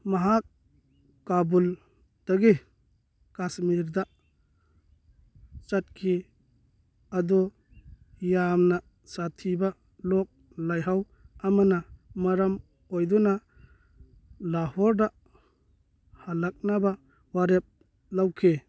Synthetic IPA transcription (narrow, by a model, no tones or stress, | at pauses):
maɦak̚ː | abul | d̥aɡi | kasmiɾda | t͡ʃat̚kʰi | adɔ | jamna | satʰiba | lɔk̚ | lajɦaw | amanamaɾam | ojdɔna | lahɔɾda | halak̚naba | waɾep̚ | lawkʰe